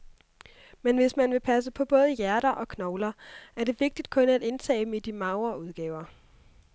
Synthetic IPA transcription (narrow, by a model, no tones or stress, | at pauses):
menʋe̝smænʋe̝pʰæs̬əpʰɒ̽b̥ɔ̽ːð̞ˠəjæɐɾɐʔɒ̽kʰnɒʊlɐæɐd̥e̝ʋe̝ɡ̥̚d̥id̥̚kʰɔ̽næd̥e̝nt͡sʰɛ̰ːm̩id̥imɑ̈ʊɐuð̞ˠɡ̥ɛːʊɐ